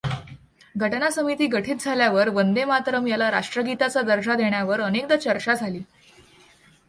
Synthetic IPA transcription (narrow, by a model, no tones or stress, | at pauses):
ɡʱəʈnasəmit̪iːɡʱəʈʰiːt̪̚d͡zʱaljaʋəɾʋənd̪emat̪ɾəmjalaɾaʂʈɾəɡit̪at͡sad̪əɾd͡ʑad̪eɳjaʋəɾənekd̪at͡ɕəɾt͡ɕad͡zʱaliː